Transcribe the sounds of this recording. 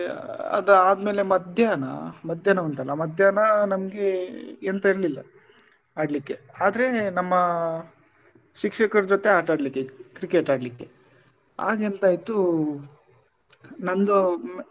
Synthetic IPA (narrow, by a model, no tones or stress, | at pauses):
ɐ̰d̪ɐaːd̪me̞ːle̞mɐd̪ʱjanɐ̰mɐd̪ʱjaːnɐuɳʈɐlːɐmɐd̪ʱjaːnɐnɐmɡe̞ent̪ɐiɾlilːɐ̰ | aːɖlikːeaːd̪ɐɾe̞nɐmːɐ | ʃikʂɛkɐɾd͡ʒot̪e̞aːʈaːɖlikːekɾikeʈaːɖlikːe̞ | a̰ːɡent̪aːjt̪u | nɐnd̪u